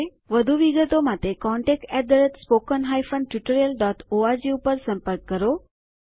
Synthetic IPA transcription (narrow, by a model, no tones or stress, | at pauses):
ʋəd̪ʱuʋiɡət̪omat̪ekɔɳʈek̚ʈɛd̪əɾət̪spokənɦajfənʈjuʈəɾijəlɖɔʈʰoaɾd͡ʑiupəɾsə̃mpəɾkːəɾo